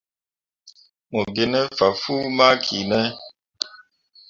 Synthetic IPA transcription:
mo˨be˨˦nə˦fa˨fu˦ma˦kʰi˨nə˦

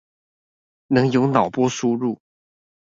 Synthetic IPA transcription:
nɤ˧˥ŋjo˧˥ʊnɑ˨˩ʊpwɔ˥ʂu˥ɻu˥˩

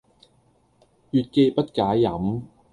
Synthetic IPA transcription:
jyː˨t̚ke˧jpɐ˥t̚kaː˨˥jjɐ˨˥m

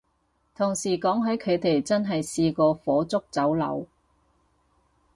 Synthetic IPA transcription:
t̪ʰʊ˨˩ŋsiː˨˩kɔː˨˥ŋɦɐ˨˥jkʰɵ˨˧ɥt̪e˨jt͡sɐ˥nɦɐ˨jsiː˧kɔː˧fɔː˨˥t͡sʊ˥k̚t͡sɐ˨˥wlɐ̰˨˧w

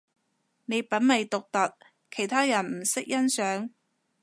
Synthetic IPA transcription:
ne˨˧jpɐ˨˥nmɐ˨jt̪ʊ˨k̚t̪ɐ˨t̚ | kʰe˨˩jt̪ʰaː˥jɐ˨˩nm̩˨˩sɪ˥k̚jɐ˥nsœː˨˥ŋ

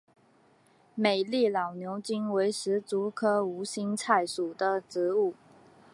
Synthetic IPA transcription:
me˨˩ɪli˥˩lɑ˨˩ʊnjo˧˥ʊt͡ɕi˥ŋwe˧˥ɪʂɻ̩˧˥t͡su˧˥kʰɤ˥u˧˥ɕi˥nt͡sʰa˥˩ɪʂu˨˩d̪ə˦ʈ͡ʂɻ̩˧˥u˥˩

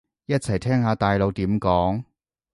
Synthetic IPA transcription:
jɐ˥t̚t͡sʰɐ˨˩jt̪ʰɛː˥ŋhaː˨˧t̪aː˨jlo˨˧wt̪iː˨˥mkɔː˨˥ŋ

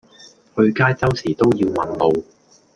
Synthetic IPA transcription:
hɵ˧ɥkaː˥jt͡sɐ˥wsiː˨˩t̪o˥wjiː˧wmɐ˨˩nlo˧w

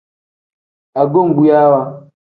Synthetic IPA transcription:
a˨ɡo˦˨ŋ˨ɡu˨ja˦wa˦˨

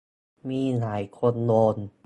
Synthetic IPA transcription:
miː˧˩laː˩˦jkʰo˧nloː˧n

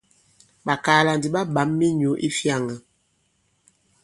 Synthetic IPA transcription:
ɓa˨kaː˨˦la˨ndi˨ɓa˦ɓa˨˦mːi˦ɲu˨˦ʔi˦fja˦˨ŋa˨

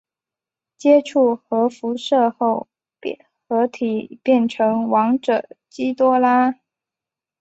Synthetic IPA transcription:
t͡ɕjɛ˥ʈ͡ʂʰu˥˩xɤ˧˥fu˧˥ʂɤ˥˧xo˥˩ʊ˩ | xɤ˧˥t̪ʰi˨˩pjɛ˥˩nʈ͡ʂʰɤ˧˥ŋwɑ˧˥ŋʈ͡ʂɤ˨˩t͡ɕi˥t̪wɔ˥la˥

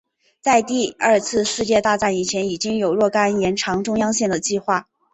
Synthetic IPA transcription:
t͡sa˥˧ɪt̪i˥˧ə˞˥˧t͡sʰɹ̩˥˧ʂɹ̩˥˧t͡ɕjɛ˥˧t̪a˥˧t͡sa˥˩ni˨˩t͡ɕʰjɛ˧˥ni˨˩t͡ɕi˥ŋjo˨˩ʊɻwɔ˥˩ka˥njɛ˧˥nʈ͡ʂʰɑ˧˥ŋʈ͡ʂʊ˥ŋjɑ˥ŋɕjɛ˥˩nd̪ə˩t͡ɕi˥˧xwa˥˩

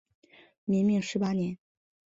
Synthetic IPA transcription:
mi˧˥ŋmi˥˩ŋʂɻ̩˧˥pa˥njɛ˧˥n

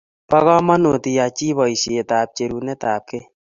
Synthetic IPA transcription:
pɔ˦ɣɔ˦mɔ˦no˨ti˨ja˨t͡ʃi˦βɔ˨i˨si˨e˨taː˨p̚t͡ʃe˨ɾu˨nɛ˦taː˨p̚ke˦

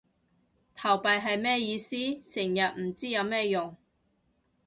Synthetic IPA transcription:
t̪ʰɐ˨˩wpɐ˨jɦɐ˨jmɛː˥˧jiː˧siː˥sɪ˨˩ŋjɐ˨t̚m̩˨˩t͡siː˥jɐ˨˧wmɛː˥jʊ˨˩ŋ

